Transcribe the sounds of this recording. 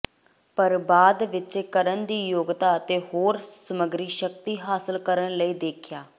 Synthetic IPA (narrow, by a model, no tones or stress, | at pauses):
pəɾbaːd̪ʋɪt͡ʃeːkəɾənd̪iːjoːɡt̪aːət̪eːhoːɾsəməɡɾiːʃək̚t̪iːɦaːsəlkəɾənləiːd̪eːkʰjaː